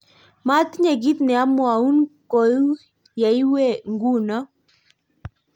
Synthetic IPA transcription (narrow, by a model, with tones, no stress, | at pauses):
ma˦t̪ɲa˨ɡi˦t̪nɪ˨a˦m˦a˨u˦nko˨ju˦ | ja˨i˦we˦˨ŋɡu˦nɔ˦